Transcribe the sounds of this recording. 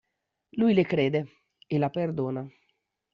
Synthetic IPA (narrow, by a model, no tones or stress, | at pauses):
lujlekɾeːd̪e | elaperd̪oːna